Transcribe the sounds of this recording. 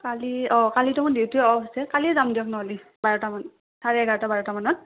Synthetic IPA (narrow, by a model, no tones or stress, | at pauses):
kaliɔkalitɔmɔndewtuɛɔɦasɛkalizamdiɔk̚nɔɦɔli | baɹɔtaman | saɹɛɡʱaɹtabaɹɔtamanɔt̚